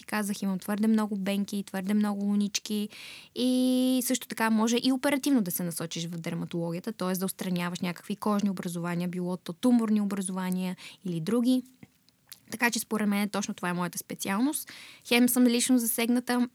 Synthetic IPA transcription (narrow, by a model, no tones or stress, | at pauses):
t̪i̥kazəximəmt̪v̥ɤɾd̪ɛmnɔɡʊbɛŋk̟it̪vɤɾd̪ɛmnɔɡʊlˠʊnit͡ʃkiisɤʃt̪o̥t̪ɐkamɔʒɛʔiopɛɾɐt̪ivnod̪ɐsɛnɐsɔt͡ʃiʃvɐfd̪ɛɾmɐt̪olˠɔɡʲiət̪ət̪ɔɛsd̪ɐʊt̪st̪ɾɐnʲavəʃnʲakə̥kvikɔʒniobɾɐzʊvaniəbilˠɔt̪ot̪umoɾniobɾɐzovaniəilid̪ɾuɡʲi | t̪ɐkat͡ʃɛspoɾɛd̪mɛnɛt̪ɔt͡ʃnot̪ovaɛmɔjət̪ə̥spɛt̪sialˠnost̪xɛmsəmlit͡ʃnozɐsɛɡnət̪ə